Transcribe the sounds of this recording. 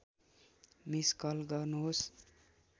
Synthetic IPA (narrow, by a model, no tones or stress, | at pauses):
miskʌlɡʌrnuɦos